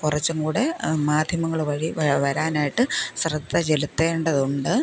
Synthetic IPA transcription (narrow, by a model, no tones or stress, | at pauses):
kurɐt͡ɕːuŋɡuːɽe̞maːd̪ʱjɐmɐŋːɐɭʋɐɻiʋʋɐɾaːnaːjiʈːɨsrɐd̪ʱːɐd͡ʑelut̪ːeːɳɖɐðuɳɖɨ